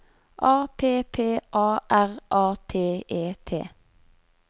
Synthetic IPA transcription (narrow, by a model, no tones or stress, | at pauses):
ʔɑːpʰeːpʰeːʔɑːʔæʁʔɑːt̪ʰeːeːt̪ʰḛː